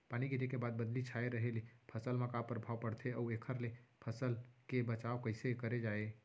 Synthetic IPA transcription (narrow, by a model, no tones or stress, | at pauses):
paniɡiɾekebad̪̚bəd̪lit͡ʃʰaeɾəɦelipʰəsəlmekapəɾəbʱawpəɽt̪ʰeəuekʰəɾlepʰəsəlkebət͡ʃaokəɪsekəɾed͡ʒae